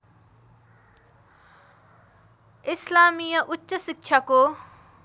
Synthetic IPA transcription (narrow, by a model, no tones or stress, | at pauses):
ɪslaːmijəʔʊtːʃəsɪk̚t͡ʃʰako